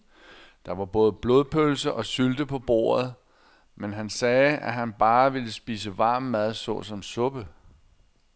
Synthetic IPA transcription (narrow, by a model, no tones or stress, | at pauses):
d̥ɑ̈ʋɑ̈b̥ɔ̽ːð̞ˠb̥lo̝ːð̞ˠpʰølsɐʔɒ̽syld̥əpʰɒ̽b̥o̝̰ːɐð̩ˠ | menɦænsɛːæɦænb̥ɑ̈ːʋe̝ləsb̥iːs̬əʋɑ̈ːmːæð̩ˠsɒ̰̽sɒ̽msɔ̽b̥ə